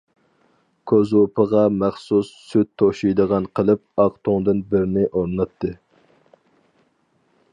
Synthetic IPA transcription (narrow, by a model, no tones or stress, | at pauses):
kʲʰøzopʰəʁɑmæχsusːyt̪̚t̪ʰːoʃijd̪əʁɑnqʰəlˠɨp̚ɑqt̪ʰoŋd̪ɨnbɪɾɪnɪʔoɾnɑt̪ːɨ